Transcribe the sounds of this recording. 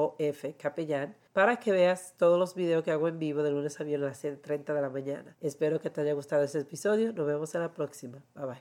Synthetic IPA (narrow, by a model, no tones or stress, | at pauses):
oefe̞kapeʎan | paɾakeβe̞ast̪o̞ðozlo̞zβiðe̞oskeaɣoembiβo̞ðelune̞saβjenalaset̪t̪ɾe̞nt̪aðe̞lamãɲã̰naespe̞ɾo̞ket̪eaʝaɣust̪aðo̞est̪episo̞ðjo̞nozβemo̞senlapɾo̞ksimabaβaj